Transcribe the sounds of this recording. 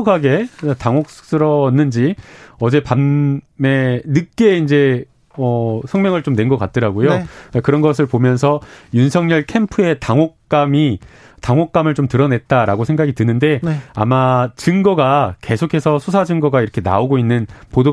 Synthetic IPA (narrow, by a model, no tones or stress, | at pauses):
kaɡe̞taŋok̚s͈ɯɾʌnːɯnd͡ʑiʌd͡ʑe̞panme̞nɯk͈̚e̞ind͡ʑe̞ | ʌsʰʌŋmjʌŋɯɭt͡ɕomne̞nɡʌk͈a̰t̚t͈ɯɾaɡojoakɯɾʌnɡʌs̬ʰɯɭpomjʌns̬ʰʌjunsʰʌŋɲʌɭkʰe̞mpʰɯe̞taŋɦok̚k͈ami | taŋok͈̚amɯɭt͡ɕomtɯɾʌne̞t̚t͈aɾaɡosʰe̞ŋɡaɡitɯnɯnde̞a̰mat͡ɕɯŋɡʌɡake̞sʰokʰe̞sʰʌsʰusʰad͡ʑɯŋɡʌɡaiɾʌkʰe̞na̰oɡoinːɯnpodo